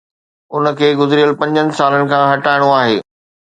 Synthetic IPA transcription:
ʊnə̆kʰeːɡʊzɪɾijəlpɐ̃ɲd͡ʑənɪ̆saːlənɪ̆kʰãɦɐʈaːɪɽ̃oaːɦeː

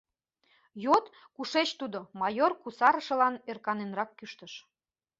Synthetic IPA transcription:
jot̪ | kuʃet͡ɕt̪ud̪omɑjorkusɑɾə̆ʃə̆lɑnerkɑnenrɑkːyʃt̪əʃ

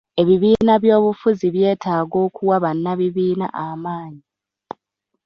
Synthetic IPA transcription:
e̞βiβiːnaβjo̞ːβufuziβje̞ːtʰaːɡo̞ːkuwaβanːaβiβiːna̰ʔamaːɲi

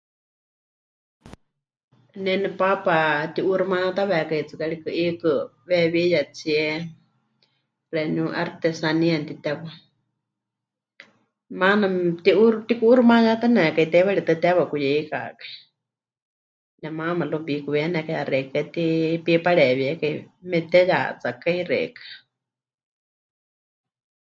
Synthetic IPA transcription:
nɛnɛpapat̪iʔuɾumat̪aβɛkait͡sɨkaɺikɨʔikɨβɛβijat͡siɛ | ɾɛnuʔaɾt̪ɛsaniant̪it̪ɛβa | manat̪iʔuɾt̪ikuːɾumajat̪anɛkait̪ɛβaɺit̪ɨt̪ɛβakujɛika̰kḁi | nɛmamalubikuβɛnɛkajaɾɛkɛt̪ipipaɺɛβiɛkaimɛt̪ɛja̰t͡sakairɛ̰kḁ

